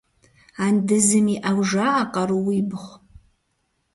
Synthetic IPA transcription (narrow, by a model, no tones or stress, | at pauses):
andɨzɨmiʔawʒaːqʼaɾuwiːbɨχʷ